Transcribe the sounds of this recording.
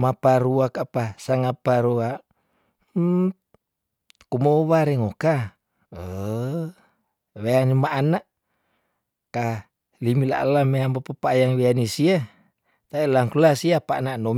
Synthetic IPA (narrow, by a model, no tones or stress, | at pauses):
mapaɾuakapasaŋapaɾua | kumoβaɾɛŋoka | ə | weanimaʔanaʔ | ka | limila̰ʔlːameambapapaːjaŋweanisia | t̪ailaŋkulasiapa̰ʔnaʔnom